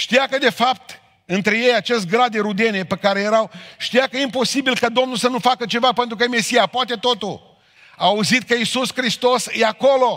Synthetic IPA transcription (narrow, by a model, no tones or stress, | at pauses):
ʃt̪ijakəd̪e̞fap̚t̪ | ɨnt̪ɾe̞je̞jat͡ʃe̞st̪̚ʲɡɾad̪d̪eɾud̪ene̞pekaɾe̞jeɾawʃt̪ijakəjeimpo̞sibilkad̪o̞mnulsənufakət͡ʃe̞vape̞nt̪ɾukəjeme̞sijapoat̪e̞t̪o̞t̪ul | aːuzit̪̚kəisuskɾist̪o̞sjeakolo̞